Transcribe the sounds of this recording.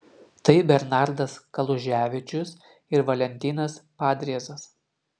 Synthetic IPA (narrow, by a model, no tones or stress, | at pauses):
t̪ɐɪbʲɛɾnɑˑɾd̪ɐskɐlˠʊʒʲæːʋʲɪt͡ʃʲʊs | ɪɾʋɐlʲɛnʲt̪ʲɪːnɐspɑːd̪ʲɾʲiɛzɐs